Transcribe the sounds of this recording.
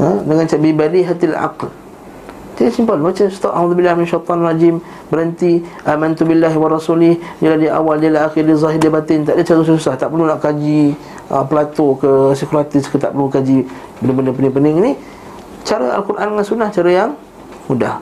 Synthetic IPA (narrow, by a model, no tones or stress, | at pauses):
ədəŋant͡ʃabibadiɦat̪iala̰ql | d͡ʒaisimpəlbat͡ʃast̪ɔʔauðubilːahmɪnʃat̪ˤɑnrad͡ʒim | bəɾənt̪iʔamant̪ubilːaɦwarˤɑsulɪhdilahdiʔa̰waldalaaxirdizˤaɦɪd͡ʒapat̪ɪnt̪aʔdət͡ʃaɾəsusahsusaht̪aʔpəlunaʔkad͡ʒi | ə̰pəlat̪okəsikuɾat̪ɪskət̪a̰ʔpəɾlukad͡ʒi | pəndəpəndəpənɪŋpənɪŋini | t͡ʃaɾə̰a̰lkuɾʔa̰ndəŋansunaht͡ʃaɾəjaŋ | mudah